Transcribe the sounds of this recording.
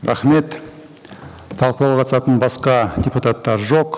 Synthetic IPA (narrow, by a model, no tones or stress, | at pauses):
ɾɑ̰χme̞t̪ | t̪ʰɑlˠqəlˠɑwqʰɑt̪sɑt̪ənbɑsqɑdʲeput̪at̪ːɑɾʒo̞q